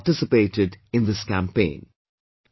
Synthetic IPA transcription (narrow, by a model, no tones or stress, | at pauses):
ʈɪsɨpeɪtɪdɪ̃nðɪskæ̃mpẽɪ̃n